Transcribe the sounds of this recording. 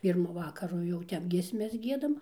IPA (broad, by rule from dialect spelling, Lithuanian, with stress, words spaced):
ˈpʲiːrmʊ ˈʋɑːkɐrʊ jɛʊ ˈtʲɛp ɡʲiɛsʲˈmʲɛs ˈɡʲiɛdɐm